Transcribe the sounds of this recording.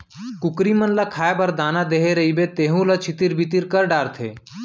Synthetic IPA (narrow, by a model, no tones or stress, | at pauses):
kʊkɾimənləkʰaːebəɾd̪aːnad̪eːɦeɾɐɦibet̪eːɦũlət͡ʃʰɪt̪iɾbit̪iɾkəɾɖaːɾt̪ʰḛː